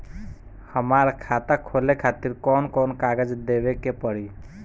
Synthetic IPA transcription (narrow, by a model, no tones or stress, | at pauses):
həmaɾkʰat̪akʰolekʰat̪iɾkɔnkɔnkaɡəd͡ʒd̪ebekepəɽ̤i